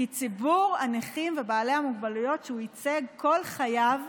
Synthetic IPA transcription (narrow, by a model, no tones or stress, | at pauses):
it͡sibuʁaneχimvebaːle̞hamuɡbalujo̞tʃeuit͡seɡkʰo̞lχajav